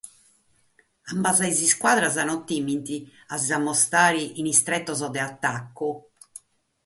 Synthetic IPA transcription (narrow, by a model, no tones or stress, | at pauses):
ambazaiziskwaːðɾazanɔt̪imint̪iazamːɔst̪aːɾiʔinist̪ɾɛt̪ːɔzɔd̪ɛat̪ːakːu